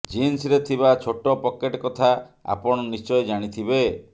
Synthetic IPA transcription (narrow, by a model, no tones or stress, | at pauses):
d͡ʒinsɾet̪ʰibat͡ʃʰoʈɔpɔkeʈkɔt̪ʰaa̰pɔɽ̃ɔnist͡ʃɔjd͡ʒaɽ̃it̪ʰibe